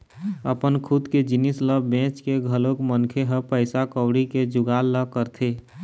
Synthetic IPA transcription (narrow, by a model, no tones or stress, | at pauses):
əpənkʰud̪ked͡ʒɪnisləbbẽt͡ʃkeɡʱəlokmənkʰeɦəpəɪsakəwɽiked͡ʒʊɡalːəkəɾt̪ʰe